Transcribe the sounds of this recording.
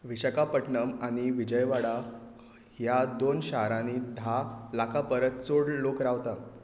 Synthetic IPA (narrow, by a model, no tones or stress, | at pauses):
ʋiɕəkapəʈɳəmaɽ̃iʋid͡ʑəjʋaɽa | hjad̪onɕaɦɾãniːd̪ʱalakʰapəɾət̪̚t͡soɽlokɾaʋt̪a